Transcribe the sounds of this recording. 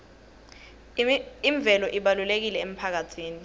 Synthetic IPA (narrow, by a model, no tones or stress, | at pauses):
iɱb̪vʱɛlɔʔiɓalulek̬ilɛem̩pʰak̬atʰiːni